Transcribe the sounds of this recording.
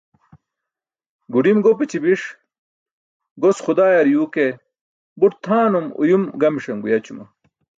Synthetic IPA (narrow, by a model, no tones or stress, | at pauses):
ɡuɖimɡopet͡ɕibiʂ | ɡosxud̪aːjɐɾjuːke | buʈt̪ʰaːnumṵjumɡɐmʂɐŋɡujɐt͡ɕumɐ